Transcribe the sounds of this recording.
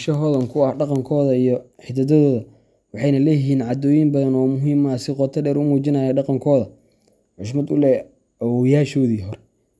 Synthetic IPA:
ʃɐɦɔːðɐŋkʰʊɑhɖɑqɑŋkʰɔːðɐijɔħɪd̪ɐd̪ɐðɔːðɐ | wɑħɑjnɐlɛjɪɦiːnʕɑd̪ɔːjɪmbɐðɐnɔːmʊɦiːmɐsɪqɔt̪ʰɐɖɛːɾʊmuːt͡ʃɪnaːjɐɖɑqɑŋkʰɔːðɐ | ʕʊs̬mɐd̪ʊlɛ | ɐwɔjaːʃɔːðiːɦɔɾɛ

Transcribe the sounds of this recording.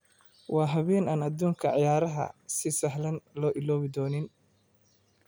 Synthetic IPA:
wɑːɦɐβɛːnaːnɐd̪uːŋkʰɐʕɑjaːɾɐɦɐ̰sɪsɐħlɐnlɔːʔɪlɔːβɪd̪ɔːnɪn

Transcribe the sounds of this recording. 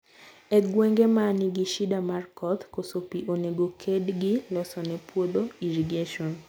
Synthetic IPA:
ɛɡweŋɡemanɪɡiʃidamarkɔt̪kosopiʔoneɡokʰedɡɪlɔsɔnɛpwod̪oiɾiɡeʃɔn

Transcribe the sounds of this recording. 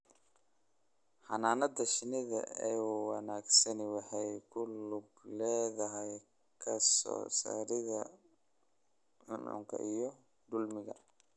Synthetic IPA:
ħɑnaːnɐd̪ɐʃɪnɪðɐ̰ɛjwɑnaːɡsɐnɪwɑħɑjkʰʊlʊblɛːðɐɦɛj | kʰɐsɔ̰ːsa̰ːɾɪðɐ | ħʊnʕʊ̰ŋkʰɐ̰ʔijɔ | d̪ʊlmɪɣɐ

